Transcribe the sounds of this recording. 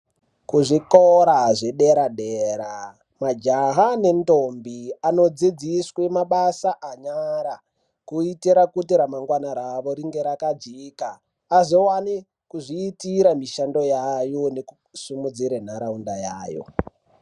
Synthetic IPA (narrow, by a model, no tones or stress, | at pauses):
kuʐikoɾaʐe̞ɗeɾaɗeɾa | mad͡ʒaɦane̞ntombiano̞d͡zid͡ziswemaɓasaʔaɲaɾa | kuitiɾakutiɾamaŋɡwanaɾaʋo̞ɾiŋɡe̞ɾakad͡ziːkaː | ziwani | kuʐiːtiɾamiʃando̞jajoneku | sumud͡ziɾen̤aɾaundajaːjo̰